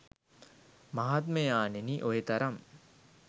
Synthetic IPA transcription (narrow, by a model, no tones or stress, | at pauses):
maɦat̪məjaːneniʔojet̪ɐɾam